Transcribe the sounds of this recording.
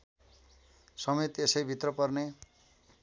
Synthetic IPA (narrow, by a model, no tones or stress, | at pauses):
sʌmet̪esʌjbʱit̪rʌpʌrne